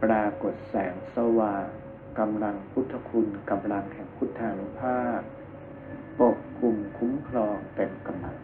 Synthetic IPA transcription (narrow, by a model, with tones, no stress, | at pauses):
pɾaː˧ko˨˩t̪̚sɛː˩˦ŋsa˧waː˧˩ | ka˧mla˧ŋpʰu˦˥t̪ʰːa˧kʰu˧nka˧mla˧ŋhʰɛ˨˦ŋpʰu˦˥˩t̪ʰːa˩˧˩n˧pʰaː˥˩p̚ | po˨˩p̚klu˧mkʰu˦˥mkʰlɔː˧ŋp̪e˧nka˧mla˧˩ŋ